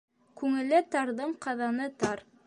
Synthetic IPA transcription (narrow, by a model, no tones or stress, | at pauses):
kʉŋɘ̆lɘt̪ɑɾðɤɴqɑðɑnɤt̪ɑɾ